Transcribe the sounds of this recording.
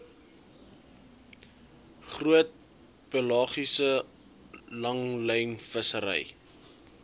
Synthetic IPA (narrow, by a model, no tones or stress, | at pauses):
χruət̚ | pəlɑːχisə | lɐŋləjnfəsəɾɛ̰j